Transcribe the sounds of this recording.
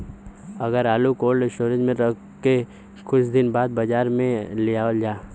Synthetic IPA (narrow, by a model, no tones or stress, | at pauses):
ɐɡəɾaːlukoːlʃoːɾɪd͡ʒmẽɾɐk | ke | kʊt͡ʃʰd̪ɪnbaːd̪̚bɐd͡ʒaːɾmẽlɪjaːld͡ʒaː